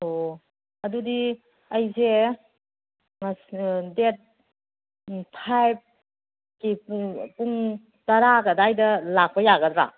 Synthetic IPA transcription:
o | ɐdudi | ɐjze | ŋasdet̚ | pʰajb̚ | kippuŋ | tɐɾaɡɐdajdɐlak̚pɐjaɡɐdɾa̰

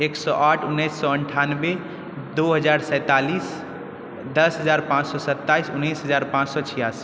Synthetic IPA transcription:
eksɔʔaʈʰunːəjsːɔəɳʈʰanbe | d̪uɦəd͡ʒaɾsə̃ɪt̪alis | d̪əsɦəd͡ʒaɾpãt͡ʃsɔsət̪ːaisunːisɦəd͡ʒaɾpãt͡ʃsɔt͡ʃʰijas

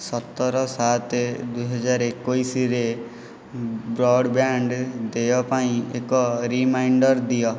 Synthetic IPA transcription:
sɔt̪ːɔɾɔsat̪ed̪ujɦɔd͡ʒaɾekojsiɾe | bɾɔɽbaɳɖd̪ejɔpaĩekɔɾimajɳɖɔɾd̪ijɔ

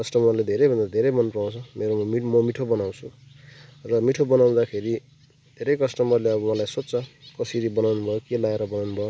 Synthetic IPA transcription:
kʌsʈʌmʌrled̪ʱeɾʌjbʱʌnd̪ad̪ʱeɾʌjmʌnpaw̃t͡sʰʌmeɾoimʌmiʈʰobʌnaw̃t͡sʰu | rʌmiʈʰobʌnaw̃d̪akʰeɾi | d̪̥ʱeɾʌjkʌsʈʌmʌrleʌbʌwʌlajsot̪t͡sʰʌkʌsiɾibʌnawnubʱʌjokelaeɾʌbʌnawnubʱʌjo

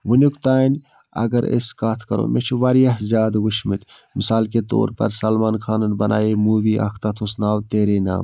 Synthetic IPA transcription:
ʋunʲukt̪aːnʲ | ɐ̰ɡɐɾḛskaːt̪ʰkɐɾo̰mʔet͡ʃʰiʋɐɾijɐɦzʲjaːd̪ʋuʃʰmɨt̪ʲ | misaːlket̪o̰ːɾpɐ̰ɾsɐlmaːnkʰaːnɐnbɐnʔa̰ːimuːʋiʔɐ̰kʰt̪at̪ʰusnaːwt̪eːɾeːna̰ːm

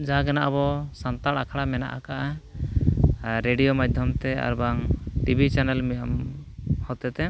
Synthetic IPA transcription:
d͡ʒaɦaɡanaʔabɔsant̪aɽakʰaɽamɛna̰ʔakaʔa | ɾeɖijomad̪ʱjɔmt̪ɛa̰ɾbaŋʈibʱit͡ʃanɛlmijamhɔt̪ɛt̪ɛ

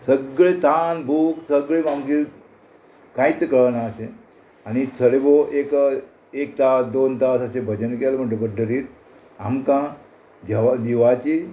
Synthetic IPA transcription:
səɡɭet̪anbʱuksəɡɭemãŋɡiɾ | kãit̪əkəɭənaʃe | anit͡sʰəleboʔek | ek̚t̪ad̪ont̪asəsebʱəd͡ʒənkelm̤əʈəbəɖəɾit̪̚ | a̰mkã | d͡ʒəʋad̪iʋat͡ɕi

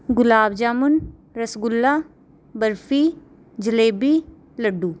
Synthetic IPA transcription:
ɡʊlaːbd͡ʒaːmunɾɐsɡʊlːa | bəɾfiː | d͡ʒəleːbiː | lɐɖːuː

